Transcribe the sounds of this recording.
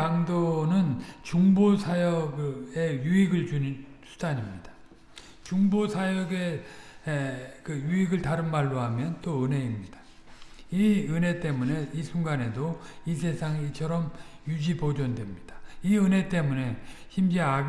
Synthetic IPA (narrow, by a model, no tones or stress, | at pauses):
aŋdonɯnt͡ɕuŋbosʰajʌɡe̞juiɡɯɭd͡ʑunnsʰu̥daɲimɲid̥ḁ | t͡ɕuŋbosʰajʌɡe | kɯjuiɡɯɭtaɾɯnmaɭːoɦamjʌnt͈oɯnɦe̞imɲid̥ḁ | iɯne̞t͈e̞mune̞isʰuŋɡanɦe̞dois̬ʰe̞sʰaŋit͡ɕʰʌɾʌmjud͡ʑipod͡ʑʌndwe̞mɲid̥ḁiɯne̞t͈e̞mune̞ | çimd͡ʑia